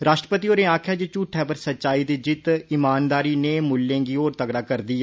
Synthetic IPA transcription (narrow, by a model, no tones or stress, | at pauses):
ɾaːʃʈɾəpət̪iːoːɾeːaːkʰjaːd͡ʒet͡ʃuːʈʰɛːpəɾsətːʃaːiːd̪iːd͡ʒɪt̪ɪmaːnd̪aːɾiːneːmʊlːẽːɡiːoːɾt̪əɡɽaːkəɾd̪iːɛ